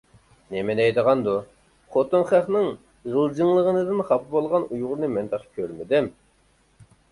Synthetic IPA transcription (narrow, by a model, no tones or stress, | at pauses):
nemɛnɛjd̪əʁɑnd̪u | χot̪unχæχnɨŋ | ʁəlˠd͡ʒɨŋlˠəʁənɨd̪ɨnχɑpʰɨbolˠʁɑnujʁʊɾnɨmɛnd̪ɑqkʲʰøɾmɪd̪ɪm